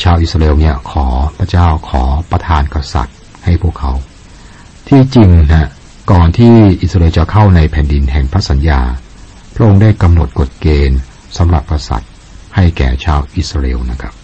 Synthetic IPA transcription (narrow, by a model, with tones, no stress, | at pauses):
t͡ɕʰaː˧wʔi˨˩t̪̚sɾa˧ʔeː˧wni˦˥˩ɐkʰɔː˩˦pʰɾa˦˥t͡ɕaː˥˩wkʰɔː˩˦pɾa˧t̪ʰaː˧nka˧sa̰˨˩t̪̚ | ha˥˩jpʰu˥˩əkʰːa˦˥w | t̪ʰiː˥˩t͡ɕi˧ŋnʰa˦˥ | kɔː˨˩nt̪ʰiː˥˩ʔi˨˩sa˧eː˧wt͡ɕa˨˩kʰa˥˩wna˧jpʰɛː˩˦ndi˧nɦɛ˨˩ŋpʰɾa˦˥sa˩˦njaː˧ | pʰɾa˦˥ʔo˧ŋdaː˥˩jka˧mno˨˩t̪̚ko˨˩t̪̚keː˧n | sa˩˦mɾa̰˨˩p̚ka˧sa̰˨˩t̪̚ | ha˥˩jkɛː˨˩t͡ɕʰaː˧wʔi˨˩t̪sɾaː˧ʔḛː˧wna˦˥kʰɾa˦˥p̚